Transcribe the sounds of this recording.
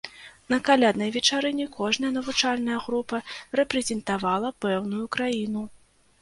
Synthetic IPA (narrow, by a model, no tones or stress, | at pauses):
nɐkalʲad̪nɐjvʲɛt͡ʂaɾɨnʲɛkʰɔʐnɐjɐnɐvut͡ʂalʲnɐjɐɣɾupɐrɛpɾɛzʲɛnt̪avalˠɐpɛwnujukɾajinu